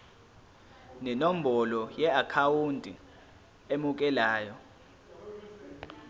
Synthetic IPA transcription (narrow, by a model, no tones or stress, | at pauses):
nɛnom̩bɔlɔjɛakʰawundʱʼi | emuk̬ʼɛlaːjɔ